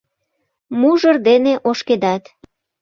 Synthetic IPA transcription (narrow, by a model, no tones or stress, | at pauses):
muʒərd̪eneʔoʃked̪ɑt̪